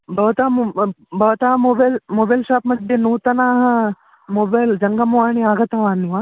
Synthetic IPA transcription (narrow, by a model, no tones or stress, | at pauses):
bɐʋt̪aːmbʱɐʋɐt̪aːɦmoːbalmoːbalʃaːpmɐd̪ʱjenuːt̪ɐnaːɦɐ | moːbajld͡ʒɐŋɡɐmuʋaːɳ̃iaːɡɐt̪ɐʋaːnːiʋaː